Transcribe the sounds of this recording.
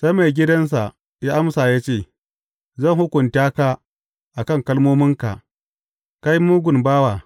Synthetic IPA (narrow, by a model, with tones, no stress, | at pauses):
sɐ˦me˨ɡʲɪ˦dɐ˦ns̬a˨ʔ | jaː˦ʔa˦msaː˨jaː˦t͡ʃeː˦˨ | zɐ˦˨ŋhʊ˦kʷʊ˨ntaː˦kaː˦ | ʔa˨kɐ˦˨ŋkɐ˦lmoː˦mɪ˦ŋka̰˨ | ka˦jmuː˦ɡʷʊ˨nbaː˦waː˨